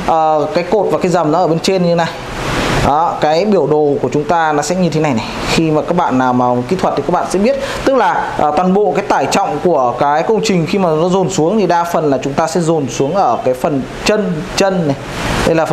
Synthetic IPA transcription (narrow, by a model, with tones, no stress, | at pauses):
ʔəː˨˩kaː˨˦jko˨˩t̚vaː˨˩kaː˨˦jzə˨˩mnɔ˨˦ʔəː˧˩ɓe˧nt͡ɕe˧nɲɨ˧e˦na˨˩j | ʔɔː˨˦kaː˨˦jɓi˧˩əwɗo˨˩ku˧˩ət͡ɕʊ˨˦ŋ͡mt̪aː˧nɔ˨˦sɛ̰˧˥ɲɨ˧t̪ʰe˨˦na˨˩jna˨˩xi˧maː˨˩kaː˦˥k̚ɓa̰ː˧˨nːaː˨˩wmaː˨˩˨kḭ˧˥t̪ʰwə˨˩t̪i˨˩kaː˦˥ɓa̰ː˧˨sɛ̰˧˥ɓi˦˥ət̚t̪ɨ˦˥k̚laː˨˩ʔəː˨˩t̪waː˨˩nɓo̰˧˨kaː˨˦jt̪aː˧˩jt͡ɕɔ̰˧˨wŋ͡mku˧˩əkaː˨˦jkə˧wŋ͡mt͡ɕï˨˩ŋ̟xi˧maː˨˩nɔ˨˦zo˨˩nsu˨˦əŋt̪ʰi˨˩ɗaː˧fə˨˩nlaː˨˩t͡ɕʊ˨˦ŋ͡mt̪aː˧sɛ̰˧˥zo˨˩nsu˨˦əŋʔəː˧˩kaː˨˦jfə˨˩n | t͡ɕə˧nt͡ɕə˧nːa˨˩j | t̪e˧jlaː˨˩˨